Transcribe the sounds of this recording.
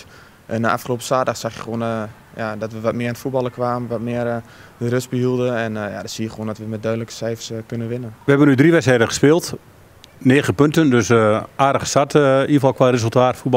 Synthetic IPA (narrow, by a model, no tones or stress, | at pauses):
ənaʔa̰fxəloːpə̥saːdaxsaxjə̰xʋoən | jadɔtʋəʋɔtmɪəntfut̚bɔlˠəkʋaːməʋɔtmɪərdərøsbəɦilˠdəɛnja̰dɔtsiːjəxəoːndɔtʋəmɛt̚dœːdələkə̥sɛjfərskønəʋɪnəʋəɦɛbənydriʋɛtsɛjdəχə̥spɪːlˠt | neːɣəpøntəndøsʔaːdəɣə̥satifɔlˠkʋaːrezəlˠtaːtfut̚b